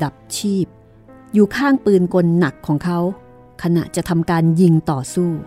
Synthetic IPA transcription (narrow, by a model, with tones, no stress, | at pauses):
a˨˩p̚t͡ɕʰiː˥˩p̚ | juː˨˩kʰaː˥˩ŋpɯː˧nkʰo˧nːa˨˩kʰːɔː˩˦ŋkʰa˦˥w | kʰa˧na̰˨˩ʔt͡ɕa˨˩ʔt̪ʰa˧mkaː˧nji˧ŋt̪ɔː˨˩suː˥˩